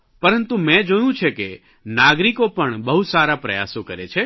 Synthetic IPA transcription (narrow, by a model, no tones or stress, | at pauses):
pəɾənt̪umɛ̃d͡ʒojũt͡ʃʰeke | naɡɾikopəɳbəɦusaɾapɾəja̰sokəɾḛt͡ʃʰe